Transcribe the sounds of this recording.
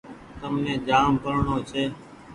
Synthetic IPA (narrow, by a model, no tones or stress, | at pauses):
t̪əmnẽːd͡ʒaːmpəɾɳoːt͡ʃʰeː